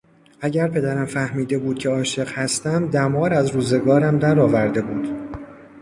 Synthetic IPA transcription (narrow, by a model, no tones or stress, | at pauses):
ʔæɟæɾpʰe̞d̪æɾæmfæhmiːd̪e̞buːd̪̥̚cʰe̞ɒːʃe̞ɢhæst̪æmd̪æmɒːɾæzɾuːze̞ɡɒːɾæmd̪æɾɒːvæɾd̪e̞buːd̪̥